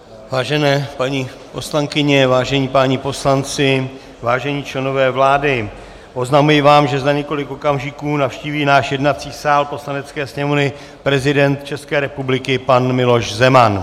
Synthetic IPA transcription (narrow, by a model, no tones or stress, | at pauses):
vaːʒɛnɛːpaɲiː | po̞slaŋkɪɲɛvaːʒɛɲiːpaːɲipo̞slant͡sɪ | vaːʒɛɲiːt͡ʃlɛno̞vɛːvlaːdɪ | ʔo̞znamujɪvaːmʒɛzaɲɛko̞lɪkʔo̞kamʒɪkuːnafʃciːviːnaːʃjɛdnat͡siːsaːlpo̞slanɛt͡skɛːsɲɛmonɪ | pɾɛzɪdɛnt̪̚t͡ʃɛskɛːɾɛpublɪkɪpanmɪlo̞ʃzɛman